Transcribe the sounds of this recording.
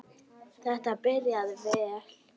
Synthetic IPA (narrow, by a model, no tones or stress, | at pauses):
θɛht̪apɪɾjaðvɛl̥